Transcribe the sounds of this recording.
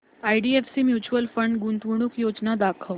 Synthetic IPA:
aiɖiefsimjuːt͡ɕuwəlfəɳɖɡunt̪ɡuɽ̃ukjoːd͡ʒnad̪akʰəʋ

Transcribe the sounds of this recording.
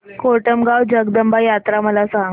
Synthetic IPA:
koʈəmɡawd͡ʑəɡd̪əmbajat̪ɾaməlasãŋ

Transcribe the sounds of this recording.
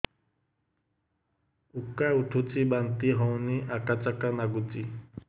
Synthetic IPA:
ukːauʈʰut͡sibant̪iɦɔwniʔakat͡sakanaɡut͡si

